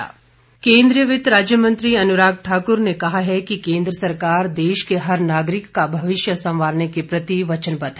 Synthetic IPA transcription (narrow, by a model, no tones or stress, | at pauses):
kẽːnd̪ɾijəʋɪt̪ɾaːd͡ʒjəmə̃nt̪ɾiɐnʊɾaːɡ̚ʈʰaːkʊɾnekɐɦaɦɛkikẽːnd̪ɾəsɐɾkaːɾd̪eːʃkeɦɐɾnaːɡɾɪkːabʱɐʋɪʃjəsɐ̃mʋaːɾnekepɾɐt̪iʋɐt͡ʃənpɐt̪ɦ